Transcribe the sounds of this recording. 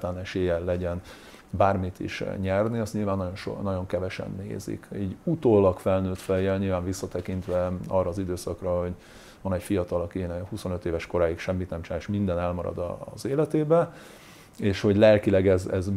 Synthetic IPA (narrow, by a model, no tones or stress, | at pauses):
t̪aːnɛʃeːjɛlɛɟɛn | baːrmit̪ḭʃɲɛrniɒst̪ɲilvaːnːɒɟo̞nʃo̰nɒɟo̞ŋkɛvɛʃɛ̰nːḛːzḭkɛɟut̪oːlːɒkfɛlnøːt̪fɛjɛlɲiːlvaːɱvisːɒt̪ɛkint̪ʋɛɒrːɒːzid̪øːsɒkrɒɦo̞ɟ | vɒnɛcfijɒt̪ɒlɒkinɛhuso̞nø̞t̪eːvɛʃko̞ɾaːjikʃɛmːit̪nɛmt͡ʃnaːʃmind̪ɛnɛlmɒɾɒ̰d̪ɒ̰zeːlɛt̪eːbɛ | eːʃho̞ɟlɛlkilɛɡɛzɛz